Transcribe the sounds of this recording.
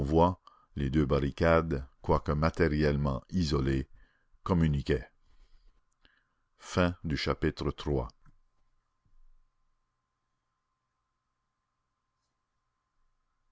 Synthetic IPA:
vwa | led̪øbaʁikad̪kwakəmat̪eʁjɛlmɑ̃izɔle | kɔmynikʲe | fɛ̃d̪yʃapit̪ɾət̪ʁwa̰

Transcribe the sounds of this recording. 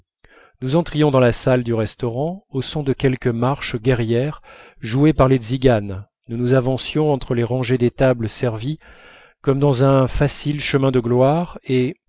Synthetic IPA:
nuzɑ̃t̪χijɔ̃d̪ɑ̃lasald̪yʁɛst̪ɔʁɑ̃osɔ̃d̪əkʲɛlkəmaʁʃɡʲɛʁjɛʁ | ʒuepaʁleziɡan | nunuzavɑ̃sjɔ̃ɑ̃t̪χəleʁɑ̃ʒed̪et̪abləsɛʁvi | kɔmd̪ɑ̃zɛ̃fasilʃəmɛ̃d̪əɡlwaʁe

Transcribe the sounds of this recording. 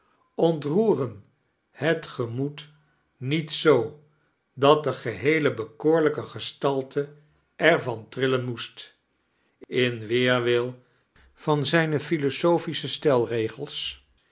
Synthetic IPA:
ɔntruːrən | hətχəmut | nitsow | dɑt̚dəχəɦejləbəkoːɹləkəχəstɑlˠtʰə | ʔɛɹvɑntrɪlənmust | ɪnʋɪːɹʋɪlˠ | v̥ɑnzɛjnəfilosowfisəstɛlˠrejχəlˠs

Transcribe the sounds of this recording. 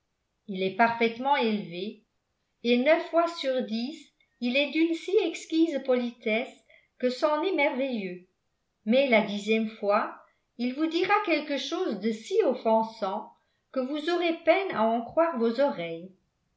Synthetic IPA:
ilɛpaʁfɛt̪mɑ̃elve | enœfːwasyʁd̪is | ilɛd̪ynsiɛkskʲizpɔlit̪ɛs | kəsɑ̃nɛmɛʁvejø | mɛlad̪izjɛmfwa | ilvud̪iʁakɛlkəʃoːzd̪əsiɔfɑ̃sɑ̃ | kəvuzɔʁepɛna̰ɑ̃kχwaːʁvozɔʁɛj

